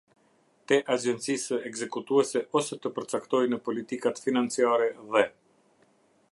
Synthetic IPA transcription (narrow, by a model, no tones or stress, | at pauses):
t̪ɛʔad͡ʒɛnt͡sisəɛɡzɛkut̪uɛsɛʔɔsɛt̪əpəɾt͡sakt̪ɔjnəpɔlit̪ikat̪finant͡siaɾɛðɛ